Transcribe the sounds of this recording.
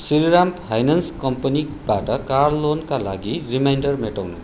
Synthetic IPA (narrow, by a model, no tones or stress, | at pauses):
siɾiɾamphajnanskʌmpʌni | baʈʌkarlonkalaɡirimajnɖʌrmeʈʌwnṵ